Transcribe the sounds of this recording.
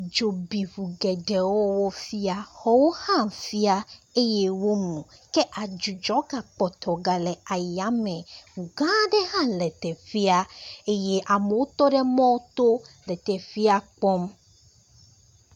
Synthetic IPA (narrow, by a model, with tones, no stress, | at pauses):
d͡ʒo˨bi˨ɸu˨ɡɛ˨ɖɛ˨wɔ˦wɔ˦fi˦a˦xɔ˦wo˦hã˦˨m˨fi˦a˦e˦je˦wo˦mũ˨kɛ˦ʔa˨d͡ʒu˨d͡ʒɔ˨˦ɡa˨k͡pɔ˨t̪ɔ˨ɡa˨lɛ˨a˨ja˨˦mɛ̃˨ŋũ˨ɡã˦ɖɛ˦ɦã˦˨lɛ˨t̪ɛ˨fi˦a˦e˦je˦ʔa˨me˨wo˦t̪ɔ˦ɖɛ˦mɔ̃˦wt̪o˦lɛ˨t̪ɛ˨fi˦a˦k͡pɔ˦m